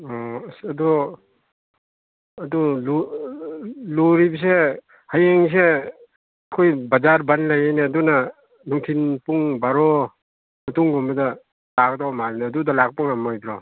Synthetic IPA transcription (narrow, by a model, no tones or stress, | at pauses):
ɔsɐdu | ɐdulu | luɾibs̬e | hajeŋs̬e | ɐkʰojbɐzaɾbanlajajneːdunɐ | nuŋtʰinpuŋbaɾɔ | mɐtuŋɡɔmbɐdɐ | lak̚dɔmaɾinaɐdudɐlak̚puŋamɔjbɾɔ